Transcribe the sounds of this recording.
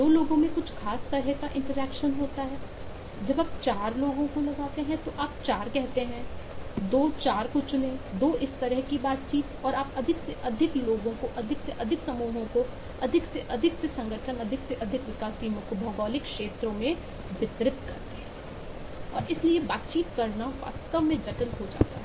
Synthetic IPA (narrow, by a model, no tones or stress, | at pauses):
d̪oːloːɡõmẽkʊt͡ʃʰxaːst̪ɐɾəɦkaʔɪ̃ɳʈəɾɛːkʃənɦoːt̪aɦɛː | d͡ʒɐbaːp̚t͡ʃaːɾloːɡõkolɐɡaːt̪eɦɛ̃t̪oʔaːp̚t͡ʃaːɾkɛɦt̪eɦɛ̃d̪oːt͡ʃaːɾkot͡ʃʊlẽd̪oːʔɪst̪ɐɾəɦkibaːt̪̚t͡ʃiːt̪ɔːɾaːpɐd̪ʱɪkseʔɐd̪ʱɪkloːɡõkoʔɐd̪ʱɪkseʔɐd̪ʱɪksɐmuːɦõko | ɐd̪ʱɪkseʔɐd̪ʱɪksesɐ̃ŋɡəʈʰənɐd̪ʱɪkseʔɐd̪ʱɪkʋɪkaːsiːmõkobʱɐɡɔːlɪkʃeːt̪ɾõmẽ | ʋɪt̪ɾɪp̚t̪kɐɾt̪eɦɛ̃ɛː | ɔ̰ːɾɪsliebaːt̪t͡ʃiːt̪kɐɾnaʋa̰ːst̪əʋmẽd͡ʒɐʈəlɦod͡ʒa̰ːt̪aɦɛː